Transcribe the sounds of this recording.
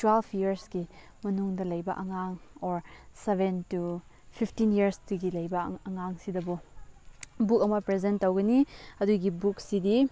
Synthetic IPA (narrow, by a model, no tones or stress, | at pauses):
twelbʰjiəɾsɡi | mɐnuŋdɐlɐjbɐ̰ʔɐŋaŋɔɾsebʱentu | pʰipʰtinjiɐɾstuɡilɐjbɐɐŋaŋsidɐbu | buk̚ɐmɐpɾezentːowɡɐniɐduɡibuk̚sidi